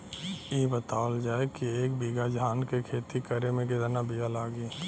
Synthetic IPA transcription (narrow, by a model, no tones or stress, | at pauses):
jebət̪aːəld͡ʒaːekieːkbiɡad͡ʒaːnkekʰeːt̪ikəɾemẽked̪ənabijalaːɡiː